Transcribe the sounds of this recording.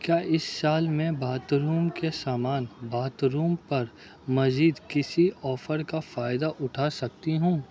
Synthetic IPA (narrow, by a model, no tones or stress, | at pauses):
kjaːʔɪsːaːlmɛ̃bʱaːt̪ɾuːmkesaːmaːnbʱaːt̪ɾuːmpɐɾ | mɐziːd̪kɪsiʔɔːfəɾkafaːɪd̪aʔʊʈʰasɐk̚t̪iɦũː